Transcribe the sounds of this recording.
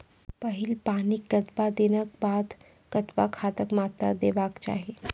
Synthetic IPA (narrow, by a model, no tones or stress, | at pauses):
pɐɦɪlpaːniɐt̪bad̪ɪnəkbaːd̪ | kɐt̪bakʰaːt̪əkmaːt̪ɾə̰d̪eːbaːkt͡ʃa̰ːɦieː